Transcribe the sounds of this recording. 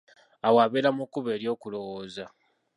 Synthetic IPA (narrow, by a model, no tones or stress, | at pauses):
awaːβeːɾamukuβe̞ːɾjo̞ːkulo̞woːza